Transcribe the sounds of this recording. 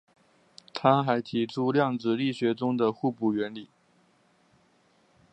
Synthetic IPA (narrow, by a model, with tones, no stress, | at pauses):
t̪ʰa˥xa˧˥ɪt̪ʰi˧˥ʈ͡ʂʰu˥ljɑ˥˩ŋd͡zɹ̩˨li˥˩ɕɥɛ˧˥ʈ͡ʂʊ˥ŋd̪ə˨xu˥˧pu˥˩ɥɛ˧˥nli˨˩˦